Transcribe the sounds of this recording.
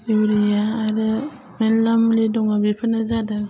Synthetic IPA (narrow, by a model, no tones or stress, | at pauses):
iwɾijaːɾɯ | melːamlidɔŋabipʰanazada